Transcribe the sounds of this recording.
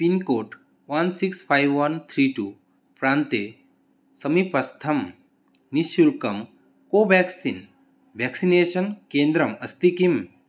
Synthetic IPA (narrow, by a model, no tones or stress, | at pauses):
pinkoːʈ | ʋɐnsikspʰajʋʋɐnt̪ʰɾiʈu | pɾaːnt̪e | sɐmipɐst̪ʰɐm | nisulkɐm | koːbɛksin | ʋʱɛːksineːʃɐnkeːnd̪ɾɐmɐst̪ikim